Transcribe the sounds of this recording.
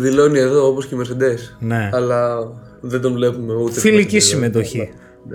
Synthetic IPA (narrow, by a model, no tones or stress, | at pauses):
ðilo̞nie̞ðo̞oposcemeɾsed̪e̞sne̞ɐlɐ | ðed̪onvle̞pumeut̪efilicisime̞t̪o̞çi